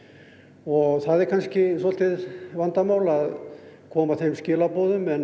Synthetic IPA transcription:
ɔɣθaðɛɾkʰanscɪsɔl̥t̪ɪðvant̪amaːwlaðkʰɔːmaθejmscɪːlapɔːðʏmɛn

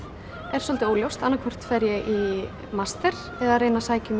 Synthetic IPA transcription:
ɛɾ̥sɔlt̪ɪoːwljowst̪anːakʰvɔr̥t̪fɛɾjɛʔi | mast̪ɛɾ̥ | ɛðareːjnasaːjcʏm

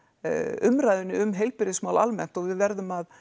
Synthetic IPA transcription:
ʏmɾaːjðʏnːɪʏmɦejlpɪɾɪsmaːwla̰lmɛ̰n̥t̪ɔɣvɪðvɛɾðʏmað

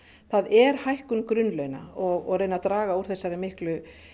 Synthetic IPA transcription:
θaðɛɾ̥hajhkʏnkɾʏnlœːɥna̰ɔɣɔɣreːjnat̪ɾaːɣauɾ̥θɛsːaɾɪmɪhklʏ

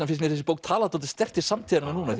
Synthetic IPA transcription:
nafɪɾs̬mɛɾθɛs̬ɪpowk̚t̪ʰaːlat̪owt̪ɪ̥st̪ɛr̥t̪ɪsamt̪ʰɛːɾɪnanuːna

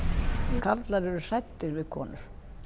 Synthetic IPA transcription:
kʰat̪laɾʏɾʏsajt̪ːɪɾvɪðkʰɔ̰ːnʏɾ̥

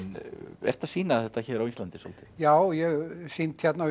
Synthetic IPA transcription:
nɛ̰r̥t̪ḁsiːnaθɛht̪açɛːɾawinst̪lant̪ɪsɔ̰lt̪ɪ̥jaːwjɛɣsint̪çɛt̪na

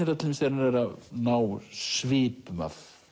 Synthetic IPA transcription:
ɪɾat̪ɪlmsɛɾnaɾɛɾanaːwsvɪːpma̰θ

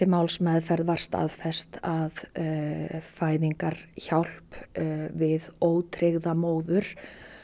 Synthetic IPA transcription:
ɪmawlsmɛðfɛɾðvaɾ̥st̪a̰ːðfɛst̪að | faːjðiŋkaɾ̥çawl̥pvɪðoːwt̪ʰɾɪɣðamoːwðʏɾ̥

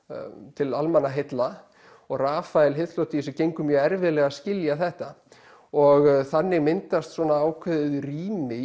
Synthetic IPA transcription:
t̪ʰɪlalmanːaɦejt̪la | ɔɣraːfajlɦɪθt̪lowt̪is̬ɛcejŋkʏmjœːɣɛɾvɪðlɛɣascɪljaθɛht̪a | ɔɣθanːɪɣmɪnt̪ast̪sɔnaaːwkʰvɛðʏðʏriːmɪ

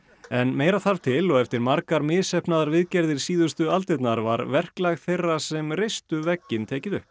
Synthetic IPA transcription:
ɛnmeːjɾaθaɾvt̪ʰɪlɔɣɛft̪ɪɾmaɾkaɾmɪːðsɛhpnaðaɾvɪðcɛɾðɪɾ̥siːðʏst̪ʏalt̪ɪt̪naɾva̰ɾvɛr̥klaɣθejrːasɛmrejstt̪ʏvɛcːɪnt̪ʰɛːcɪðʏhp

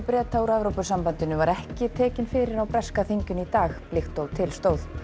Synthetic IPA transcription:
pɾɛːt̪ʰawɾɛvɾowpʏsampant̪ɪnʏvaɾɛhcɪt̪ʰɛːcɪnfɪːɾɪɾawpɾɛskaθiɲcʏnit̪aːxplɪxt̪owt̪ʰɪlst̪oːwθ

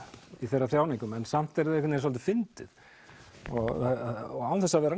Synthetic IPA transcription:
iθɛrːaθɾjaːwniŋkʏmɛnsam̥t̪ɛɾðɪɛhkʰʏtnɛɾs̬ɔlt̪ɪfɪnt̪ɪð | ɔɣ | ɣawθɛsːavɛːɾa

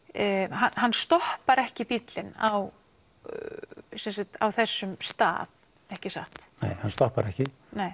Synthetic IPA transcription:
ɦanɦanːst̪ɔhpaɾɛhcɪpit̪lɪnaw | sɛnsat̪a̰wθɛsːʏmst̪a̰ːθ | ɛhcɪsa̰ht̪nḛːjhanst̪ɔhpa̰ɾɛhcɪ | neːj

